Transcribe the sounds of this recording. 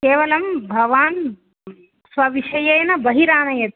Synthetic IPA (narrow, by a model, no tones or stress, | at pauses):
keːʋɐlɐmbʱɐʋaːn | sʋɐʋiʃɐjɐjnɐbɐɦiɾaːnɐjɐt̪